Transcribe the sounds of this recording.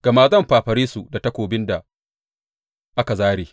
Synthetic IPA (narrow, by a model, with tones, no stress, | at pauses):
ɡ̥a˨maː˨zɐ˦˨mɸaː˨ɸɐ˨ɾiː˦su˨da˨tɐ˦kʷoː˨bɪ˦nda˨ | ʔa˦ka˨zaː˦ɽiː˨